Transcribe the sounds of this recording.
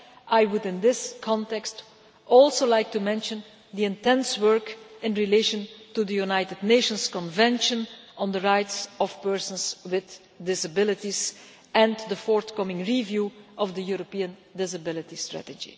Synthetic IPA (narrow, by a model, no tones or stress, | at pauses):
ʔaɪwʊdɪ̃nd̪ɪskʰɑ̃ntɛkst | ʔɔlˠsolaɪk̚tumɛ̃nʃə̃n | d̪iɪ̃ntɛ̃nswɜ˞kɪ̃nɹileɪʃə̃ntud̪əjunaɪtɨdⁿneɪʃə̃nskɔ̃nvɛ̃nʃə̃nʔə̃nd̪əɹaɪtsɔfpɜɹsə̃nswɪð | dɪsəbɪlɪtiz | ɛ̃nd̪əfɔɹt̪kʌmɪ̃ŋɹivjuʔɔvdəjuɹopiə̃ndɪsəbɪlɪtistɹæ̰təd͡ʒḭ